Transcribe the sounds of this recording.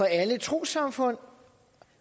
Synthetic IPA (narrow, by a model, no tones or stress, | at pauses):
ɒ̽ælət͡sʰʁo̝̰ːsɑ̈mfɔ̽n̰